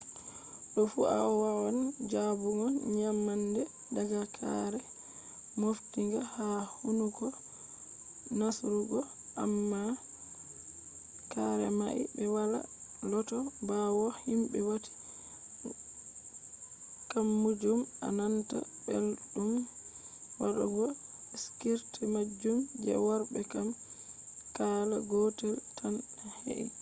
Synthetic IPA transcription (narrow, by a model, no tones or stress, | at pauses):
ɗɔfua̰wawand͡ʒabuŋɔnɲamːandɛ | daɡakʰa̰ɾɛ | moftiŋɡahahunuɡɔ | nasɾuɡɔ | ʔamːa | kaɾɛ̰maʔḭbɛwala̰lɔtɔbawɔhimbɛwati̥ | kamːud͡ʒuma̰nanta̰belɗum | waɗa̰ɡɔskiɾtimad͡ʒːumd͡ʒɛ̰waɾbɛkam | kaːlaɡɔtɛltʰanhḛʔḭ